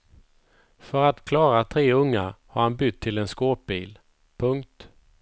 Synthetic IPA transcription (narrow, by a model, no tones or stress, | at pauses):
fœɾat̪kʰlɑːɾat̪ʰɾeːɵŋːahaɾhanbʏt̪ʰːɪlɛnskoːp̚biːl | pʰɵŋk̚t̪